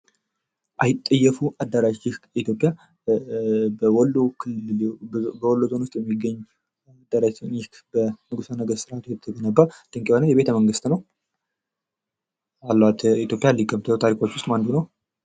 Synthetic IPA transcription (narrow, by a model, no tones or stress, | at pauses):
ʔajɪt̪ʼːəjːɛfuʔad̪ːaɾaɪhkit̪ʰjo̞pʼja | bəwɔlːokʰɨlːɨbəwɔlːozo̞nwʊst̪ʼjɛmːiɡːəɲː | ad̪ːaɾat͡ʃnɪhkbənɨɡusanəɡəɾsɨɾʔat̪ʰjɛt̪ʰːəɡənəbːad̪̥ɨŋkʼiwanəjɛβe̞t̪ʰəməŋɡɨst̪nəw | alːwat̪it̪jo̞pʼjalikʼəmt̪ʰəwt̪ʰaɾikʰʼo̞t͡ʃːwʊst̪ʼmand̪unəw